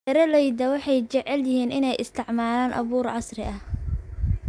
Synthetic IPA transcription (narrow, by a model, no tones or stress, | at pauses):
ɛɾɐlɛjd̪ɐwɑħɑjt͡ʃɛʕɛljɪhiːnɪnɛjʔɪst̪ʰɪʕmaːlaːnʔɐ̰βuːrʕɑsrɪʔɐh